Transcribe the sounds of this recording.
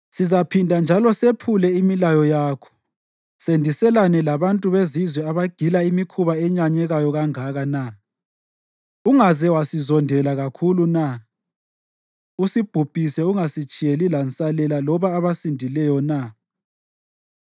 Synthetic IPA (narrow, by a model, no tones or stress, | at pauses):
sizapʰindʱand͡ʒʱalɔsepʰulɛimilajɔjaːkʰɔ̥ | sendʱisɛlanɛlaβantʼuβezizwɛaβaɡ̥ʱilaimikʰuβaɛɲaɲɛɣajɔɣaŋaɣana | uŋazɛwasizɔndʱɛlaɣakʰuluna | usib̥ʱub̥ʱisɛuŋasit͡ʃʼijelilansʼalɛlalɔβaːβasindʱilɛjɔna